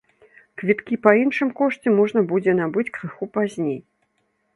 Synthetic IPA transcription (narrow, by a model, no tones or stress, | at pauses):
kvʲit̪kʲipɐinʂɨmkɔʂt͡sʲɛmɔʐnɐbud͡zʲɛnabɨt͡sʲkɾɨxupazʲnʲej